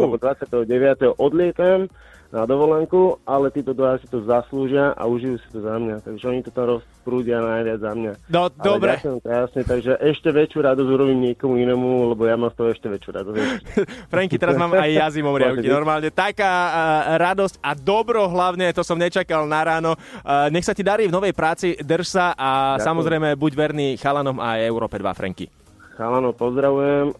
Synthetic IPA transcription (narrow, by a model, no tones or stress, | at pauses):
ɛbɔd̪ʋat͡sɪat̪ɛɦɔɟɛʋɪat̪ɛɦɔʔɔd̪lɪɛt̪am | nad̪ɔʋɔlɛŋkualɛt̪iːt̪ɔd̪ʋaasit̪ɔzasluːʒɪaʔa̰uʒijuːsḁt̪ɔzamɲat̪aɡʒɛɔɲit̪ɔt̪amɾɔspɾuːɟɪanajʋɪad͡zzamɲad̪ɔd̪ɔbɾɛɛsɛamt̪jasɲɛt̪aɡʒɛʔɛʃcɛʋɛt͡ʃjuɾad̪ɔzuɾɔbiːmɲɪɛkɔmuinɛːmulɛbɔjamaːmst̪ɔɦɔɛʃcɛʋɛt͡ʃjuɾa̰d̪ɔz | fɾɛŋkit̪ɛɾazmaːmajːazimɔmɾɪaʊkkinɔɾmaːlɲɛt̪akaːɾad̪ɔscad̪ɔbɾɔɦlaʊɲɛt̪ɔsɔmɲɛt͡ʃakalnaɾaːnɔɲɛxsacid̪aɾiːvnɔʋɛjpɾaːt͡sid̪r̩ʃsaʔasamɔzɾɛjmɛbuɟʋɛɾniːxalanɔma̰jɛʊɾɔːpɛd̪ʋa̰fɾɛ̰ŋkḭ | xalanɔpɔzd̪ɾaʋujɛm